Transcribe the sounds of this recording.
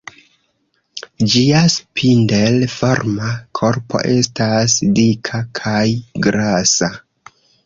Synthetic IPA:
d͡ʒiaspʰindelfoɾmakʰo̞ɾpʰo̞̰ʔe̞stasdikʰakʰajɡɾasa

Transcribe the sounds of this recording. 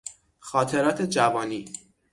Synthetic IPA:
xɒːt̪ʰe̞ɾɒːt̪ʰe̞d͡ʒævɒːniː

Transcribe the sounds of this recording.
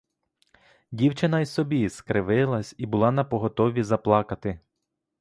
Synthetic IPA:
dʲiwt͡ʃɪnɐjsɔbʲiskɾɪʋɪlˠɐsʲibʊlˠɑnɐpɔɦɔt̪ɔʋʲizɐplˠɑkɐt̪ɪ

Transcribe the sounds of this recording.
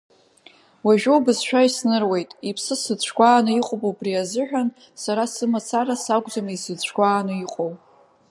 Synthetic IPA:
waʒᶣowbɨzʃᶣaisnɨrwe̞jtʼipʰsɨsɨt͡ɕʷʰɡʷaːnɨiqʼobowbriazɨħᶣan | saɾasɨmat͡sʰaɾasaɡʷʼd͡zamisɨt͡ɕʷʰkʷaːnɨiqʼow

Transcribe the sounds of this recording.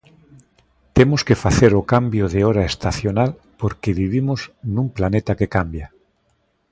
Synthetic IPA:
t̪emoskefaθeɾokambjoðeoɾaest̪aθjonal | poɾkeβiβ̞imoznũmplanet̪akekambja

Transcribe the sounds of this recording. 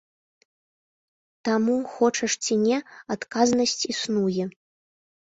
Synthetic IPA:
t̪amuxɔt͡ʂɐʂt͡sʲinʲɛat̪kaznɐsʲt͡sʲisnujɛ

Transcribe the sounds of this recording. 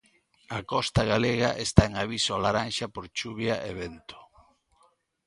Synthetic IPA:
akɔst̪aɣaleɣa̰ʔest̪aeŋaβisoalaɾanʃapoɾt͡ʃuβjaʔeβent̪o̥

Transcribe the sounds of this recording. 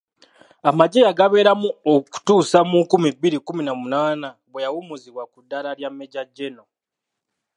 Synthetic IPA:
amaɟejaɡaβe̞ːɾamuoku̥tuːsamukumibːiɾikuminamunaːnaβwejawumuziβwakudːalaljamːe̞ɟaɟːe̞no̞

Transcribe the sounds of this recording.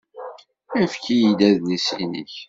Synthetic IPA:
æfkijid̪æðnisḭnḭç

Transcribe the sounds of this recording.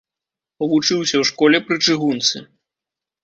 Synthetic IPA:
ɔvut͡ʂɨwsʲɐwʂkɔlʲɛpɾɨt͡ʂɨɣunt̪sɨ̰

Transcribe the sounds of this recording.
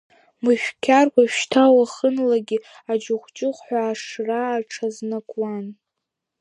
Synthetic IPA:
mɨʃᶣkʲʰarkʷaʃtʰawaχənlaɡʲi | ad͡ʒʊχʷt͡ʃʼɪχʷħʷaːʂraːʈ͡ʂʰaznakʼwan

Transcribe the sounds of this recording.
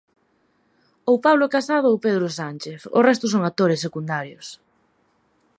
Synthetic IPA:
owpaβlokasað̞ʊowpeðɾʊsant͡ʃeθo̰rɛst̪ʊs̬oŋat̪oɾɪsːekund̪aɾjʊs

